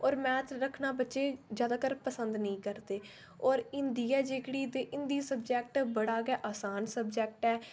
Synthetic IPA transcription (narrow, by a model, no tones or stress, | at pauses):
ɔːɾmɛ̃ːt̪ɾəkʰnaːbətːʃeːd͡ʒjaːd̪aːkəɾpəsə̃nd̪nəĩːkəɾd̪eː | ɔːɾɪnd̪iːaːd͡ʒeːkɽiːd̪eːʔɪnd̪iːsəbd͡ʒɛːk̚ʈbəɽaːɡɛːʔaːsaːnsəbd͡ʒɛːk̚ʈɛː